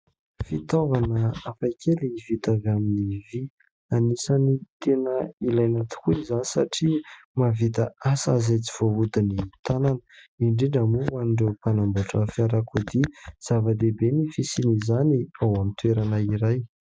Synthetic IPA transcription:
fit̪ovanəafajkʰelivit̪aveaminivi | anisanit̪enəilajnat̪u̥kuizanisaʈ͡ʂi | mavit̪aasazajt͡si̥v̥oɦud̪init̪ananə̥iɳɖ͡ʐeɖ͡ʐamuaniɳɖ͡ʐewpanambaʈ͡ʂəfiaɾakud̪iz̥avad̪ebenifisinizaniawamint̪weɾanəiɾaj

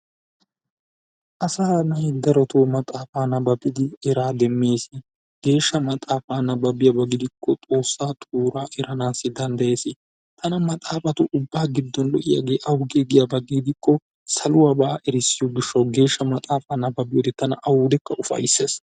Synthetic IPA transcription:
ʔɐsaːnɐhɪd̪ɐɾɔt̪oːmɐt̪ʼaːfaːnɐbɐbɪd̪ɪɛɾaːd̪ɛmːe̞ːsɪ | ɡ̥e̞ːʃːɐmɐt̪ʼaːfaːnɐbɐbɪjɐbɐɡɪd̪ɪkːɔt̪ʼo̞ːsːaːt̪ʼuːɾaːʔɛɾɐnaːsːɪd̪ɐnd̪ɐje̞ːsɪ | t̪ʰɐnɐmɐt̪ʼaːfɐt̪ʊʔʊbːaːɡɪd̪ːɔnlɔʔɪja̰ɡe̞ːʔɐwʊɡeɡɪjabɐɡɪɡd̪ɪkːɔ | sɐlʊwabaːʔɛɾɪsːɪjoɡɪʃːɐwɡe̞ːʃːɐmɐt̪ʼaːfaːnːɐbɐbɪjoːd̪ɛt̪ɐnɐʔɐwʊːd̪ɛkːɐʔʊfɐ̰jɪsːeːs

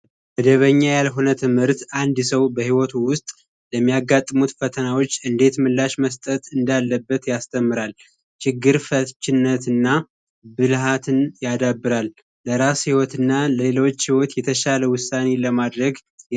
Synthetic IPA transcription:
bəd̪əβəɲːajalɦo̞nət̪ʰɨmhɨɾt̪ʔand̪səwbəhiwɔt̪ʰuwʊst̪ʼ | ləmːijaɡat̪ʼːɨmut̪fət̪ʰənawo̞t͡ʃːɨnd̪e̞t̪mɨlːaʃməst̪ʼət̪ɨnd̪alːəbːət̪jast̪ʰəmːɨɾal | t͡ʃɪɡːɨɾfət͡ʃːɪnːət̪ɨnːa | bɨlɦat̪ʰɨnjad̪abːɨɾalː | əɾashiwɔt̪ɨnːaləelo̞t͡ʃːhiwɔt̪jɛt̪ʰəʃaləwʊsːane̞ləmad̪ɾəɡ

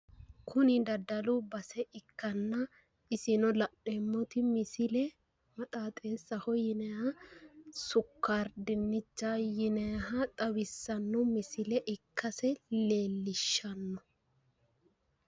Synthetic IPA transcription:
kʰʊnɪd̪ɐd̪ɐluːbɐsɛʔɪkːɐnːɐ | ɪsɪnɔlɐɗemːɔt̪ɪmɪsɪlɛ | mɐt̪ʼaːt̪ʼe̞ːsːɐhɔjɪnɛjɐ | sʊkːaːɾd̪ɪnːɪt͡ʃːaːjɪnɛjɦɐt̪ʼɐwɪsːɐnːɔmɪsɪlɛʔɪkʰːɐsɛle̞ːlːɪʃːɐnːɔ

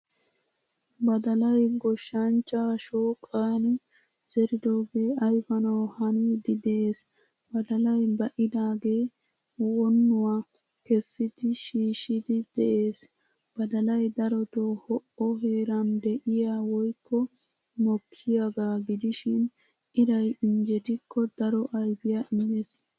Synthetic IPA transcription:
bɐd̪ɐlɐjɡɔʃːɐnt͡ʃːaʃoːkʼːaːnɪ | zɛɾɪd̪oːɡe̞ːɐjfɐnɐwhɐnɪd̪ɪd̪ɛʔeːs | bɐd̪ɐlɐjbɐʔɪd̪aːɡe̞ː | wɔnːʊwa | kɛsːɪd̪ɪʃiːʃɪd̪ɪd̪̥ɛʔe̞ːs | b̥ɐd̪ɐlɐjd̪ɐɾɔt̪oːhɔʔɔɦe̞ːɾɐnd̪ɛʔɪjaːwɔjkʰːɔ | mɔkʰːɪjaɡaːɡɪd̪ɪʃɪn | ɪɾɐjɪnd͡ʒɛt̪ɪkʰːɔd̪ɐɾɔʔɐjbɪjaʔɪmːeːs

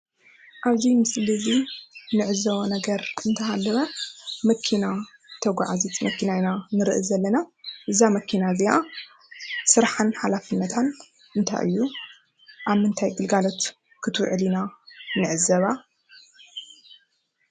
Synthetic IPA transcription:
ʔaβzimɨslɨzinɨʕɨzɐβɐnɐɡɐɾɨnt̪ʰɐɦalːɐβɐmɐkʰːina | t̪ʰɐɡʷa̰ʕazit̪mɐkʰːinajnanɨɾɨʔɨzɐlːɐnaʔɨzamɐkʰinazia | sɨɾħanħalafɨnːɐt̪ʰan | ʔɨnt̪ʰa̰jʔɨ̰jːu | ʔaβmɨnt̪ʰajɡɨlɡalo̞t̪ | kʰɨt̪ʰwʕɨlinanɨʕɨzɐβa

